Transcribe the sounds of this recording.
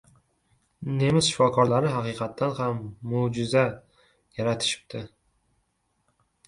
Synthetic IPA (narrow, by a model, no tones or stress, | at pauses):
ne̞mɪzʃɪ̥fɒkʰɒɾlaɾɪɦaqɨqʰɑt̪ʰːanhamːod͡ʒɪza | jaɾat̪ʰɪ̥ʃɪ̥b̚t̪ʰɪ